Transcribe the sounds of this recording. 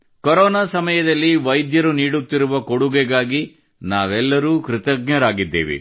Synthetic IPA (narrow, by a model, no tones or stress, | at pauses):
koɾɔːnaːsɐmɐjɐd̪ɐlːiʋɐjd̪jɐɾuniːɽut̪ːiɾuʋɐkoɽuɡɛɡaːɡi | naːʋɛlːɐɾuːkɾɪt̪ɐɡɲɐɾaːɡid̪ːḛːʋḭ